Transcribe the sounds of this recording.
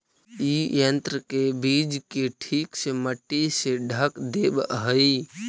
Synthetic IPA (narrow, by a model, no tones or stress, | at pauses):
ijənt̪ɾəkebid͡ʒkeʈʰikseməʈːiseɖʱəkd̪ebɦəi